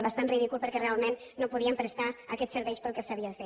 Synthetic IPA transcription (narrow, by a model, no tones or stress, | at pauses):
βast̪anriðikulˠpəɾkɛrealˠmenːopuðiəmpɾəst̪aakɛsəɾβɛjspəlˠkesaβiaðəfe